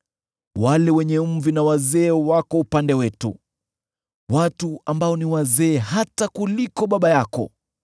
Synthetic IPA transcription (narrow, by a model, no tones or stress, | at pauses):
walɛwɛɲɛm̩vinawazɛːwakɔupandɛwɛtṵ | watuambaɔniwazɛːɦatakulikɔɓaɓajakɔ̰